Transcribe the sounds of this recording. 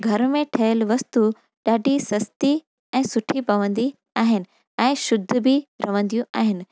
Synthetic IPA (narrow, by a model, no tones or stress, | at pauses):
ɡʱɐɾmẽʈʰɐəlʋɐst̪u | ɗaːɖʱisɐst̪i | ɛ̃ːsʊʈʰipɐʋə̃nd̪i | aːɦɪnɪ̆ | ɛ̃ːʃʊd̪ʱːʊ̆biɾɐʋə̃nd̪ijũʔa̰ːɦɪnɪ̆